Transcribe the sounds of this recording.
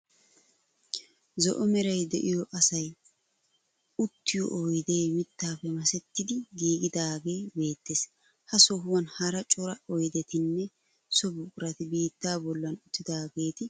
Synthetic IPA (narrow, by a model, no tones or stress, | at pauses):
zɔ̰ʔɔmɛɾɐjd̪ɛʔɪjɔʔɐsɐj | ʊt̪ːɪjɔ̰ʔojd̪eːmɪt̪ːaːpːɛmɐsɛt̪ːɪd̪ɪɡiːɡɪd̪aːɡe̞ːbe̞ːt̪ːeːs | hɐsɔɦʊwɐnhɐɾɐt͡ʃʼɔɾɐɔjd̪ɛt̪ɪnːɛ | sɔbʊkʼʊɾɐt̪ɪbiːt̪ːaːbɔlːɐnʊt̪ːɪd̪aːɡe̞ːt̪ɪ